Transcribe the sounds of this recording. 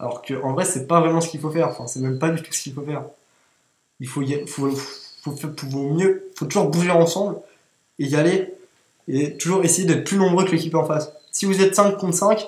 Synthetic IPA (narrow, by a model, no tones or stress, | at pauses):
a̰lɔ̰ʁkʰəʔɑ̃vʁɛsɛpavʁɛmɑ̃sə̥kilfofɛʁɑ̃fɛ̃sɛmɛmpad̪yt̪u̥sə̥kʲilfofɛːʁ | ilfojaifofofɛpuvɔ̃mjøifot̪uʒuʁbuʒeɑ̃sɑ̃bl | ejale | et̪uʒuʁesejed̪ɛt̪χə̥plynɔ̃bʁøkəlekʲipɑ̃fassivuzɛt̪sɛ̃kkːɔ̃t̪sɛ̃kʲ